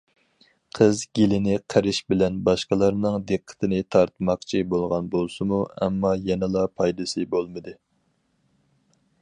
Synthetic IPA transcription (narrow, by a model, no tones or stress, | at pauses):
qʰəzɡʲelɪnɪqʰæɾɪʃbɪlɛnbɑʃqəlˠɑɾnɨŋd̪eqʰːə̥t̪ʰɪnɪt̪ʰɑɾt̪mɑq̚t͡ʃʰibolˠʁɑnbolˠsɨmuɛ̰mːɑjɛnɪlˠɑpʰɑjd̪ɨsɨbolˠmɨd̪ɨ